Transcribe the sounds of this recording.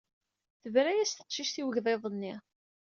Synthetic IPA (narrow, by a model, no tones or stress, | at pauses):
θəvɾæjæst̪ə̥qʃiʃθiwəʝðˤeðˤənːi